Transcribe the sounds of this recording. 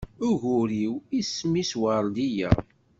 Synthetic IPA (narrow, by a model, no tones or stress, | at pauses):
ʊʝʊɾiwismiswəɾˤd̪ijæ̰